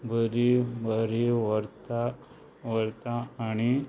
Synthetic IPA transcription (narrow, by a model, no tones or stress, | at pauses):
bəɾibəɾiʋəɾt̪a | ʋəɾt̪aːɽ̃i